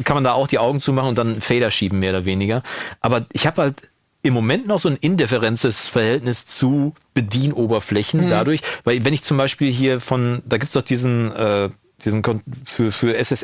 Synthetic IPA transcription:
kʰanmandaːaʊxd̥iːʔaʊɡŋ̩t͡suːmaχn̩ʊntd̥anfeːɾɐʃiːbm̩mːeːɐoɾɐveːnɪɡɐʔaːbɐʔɪçhaːbəhalt | ʔɪmːomɛntnɔχz̥oːnʔɪndɛfɛʁɛnt͡səsfɛɐhɛltnɪst͡su | b̥ədiːnʔoːbɐflɛçn̩dadʊɐçvaɪlvɛnɪçt͡sʊmbaɪʃpiːlɦiːɐfɔnd̥aːɡiːp̚tsdɔʊd̥iːzn̩ʔɛː | d̥iːzn̩kʰɔnfyːɐfyːɐʔɛsɛs

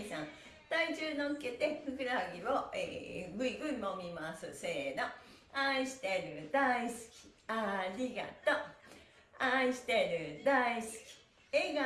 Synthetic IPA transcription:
isãŋ | t̪ait͡ɕɨːnoɯ̟ket̪e̞hɯ̟kɯ̟ɾaɡʲiβoḛɡɯ̟iɡɯ̟imomʲimasɨseːd̪o | aiɕi̥t̪eɾɯ̟d̪aisɨ̥kʲi̥aɾʲiɡa̰t̪o | aiɕi̥t̪eɾɯ̟d̪aisɨ̥kʲi̥ | eɡa

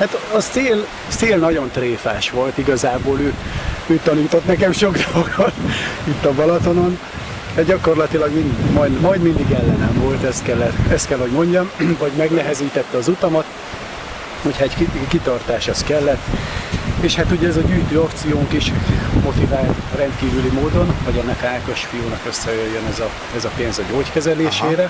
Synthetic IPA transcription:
hat̪ɒseːl | seːlnɒɟo̞nt̪reːfa̰ːʃʋo̞lt̪iɡɒzaːboːløːøːt̪ɒniːt̪o̞t̪nɛkɛmʃo̞ɡd̪ollɡot̪it̪ːɒbɒlɒt̪o̞no̞n | d̥̪ɛɟɒko̞rlɒt̪ilɒɡmind̪mɒjd̪mɒjd̪mind̪iɡɛlːɛnɛɱvo̞lt̪ɛst̪kɛlːɛt̪ɛst̪kɛlho̞ɟmo̞ɲɟɒmvɒɟmɛɡnɛɦɛziːt̪ɛt̪ːɛɒzut̪ɒmɒt̪ | hocʰhɒɛɟkikit̪ɒrt̪aːʃɛskɛlːɛt̪ː | eːʃhat̪uɟɛɛzɒɟyːjt̪øːopt̪sijoːŋkiʃmo̞t̪ivaːlt̪rɛnt̪kiːvylimoːd̪o̞nvɒɟɛnːɛkaːko̞ʃfijuːnɒkø̞sːɛjøjːønɛzɒ | ɛzɒpeːnzɒɟoːckɛzɛleːʃeːɾɛ

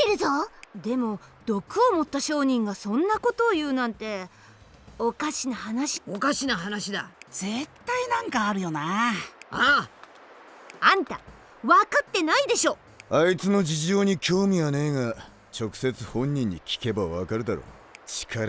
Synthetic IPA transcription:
eɾɯ̟zod̪e̞mo̞d̪̥o̞kɯ̟o̞mo̞t̪ːaɕo̞ːɲ̟ĩŋɡasõ̞nːako̞t̪o̞ːjɯ̟ːnãnt̪e̞ | okaɕinahanaɕi̥okaɕinaɦanaɕid̪a̰d͡z̥e̞t̪ːainãŋkaːɾɯ̟jo̞na | a | ãnt̪a | βakat̪ːe̞naid̪e̞ɕo̞ː | ait͡sɨno̞d͡ʑiʑo̞ːɲ̟ikʲo̞ːmʲianeːŋa | t͡ɕo̞kɯ̟̥se̞t͡sɨhõ̞ɲ̟ːĩɲ̟ːikʲi̥ke̞baβakaɾɯ̟d̪aɾo̰ː | t͡ɕi̥kʰaɾa

